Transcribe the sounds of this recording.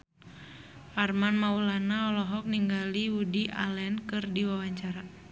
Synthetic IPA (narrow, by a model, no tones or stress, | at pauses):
farmanmaulanaɔlɔɦɔk̚niŋɡaliudiʔa̰lɛnkɨrdiwawaɲt͡ʃaɾa